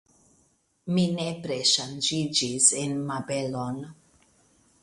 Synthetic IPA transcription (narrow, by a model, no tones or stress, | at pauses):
minepɾeʃand͡ʒid͡ʒisenmabelon